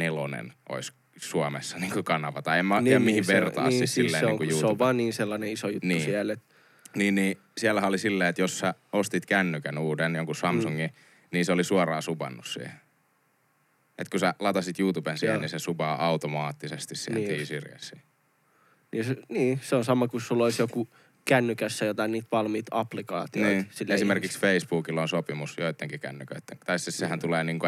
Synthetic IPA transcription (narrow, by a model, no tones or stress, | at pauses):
nelonḛnʔo̰is | suɑmḛsːɑniːŋkukɑnɑʋɑt̪ɑemmɑnjɑmihiʋʋert̪ɑ̰ːsːit̪silːeːnikujjuːtouʋʋɑːnniːnselːɑneisojutniːusiælet̪ | niːnniː | siælːæhæolisilːeːet̪jossæ | ost̪it̪kænːykænuːdenjoŋkusɑmsuŋːi | niːnseolisuɑrɑːsubɑ̰nːussḭːhe | ḛt̪kusælɑt̪ɑsit̪juːt̪ubensiːhḛnninsesupɑːʔɑut̪omɑːt̪ːisest̪issḭːheniːsirjæ̰sˑḭː | niːseniːseonsɑmːɑkussulːoisjoku | kænːykæsːæjot̪ɑiniːt̪ʋɑlmiːt̪ɑplikɑ̰ːt̪iniːsilːesimerkiksfeisb̥uːkilonsopimusjoit̪ːeŋkikæ̰nːykø̰it̪ːeŋt̪ɑississehænt̪uleːniːŋko